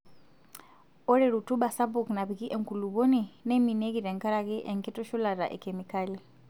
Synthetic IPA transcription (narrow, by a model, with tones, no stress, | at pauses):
ɔ˦ɾɛ˨ɾu˨tu˦ɓa˨sa˦bu˨kna˨βi˨ki˦ʔɛ˨ŋku˨luβɔ˦ni˨nɛ˦mi˨nɛ˦ɣi˨ɾɛ˨ŋka˦ɾa˨ɣi˦ʔɛ˨ŋkɛ˦tɔ˦ʃu˦la˨ɾa˨ʔɛ̰˨kɛ˨mika˦li˨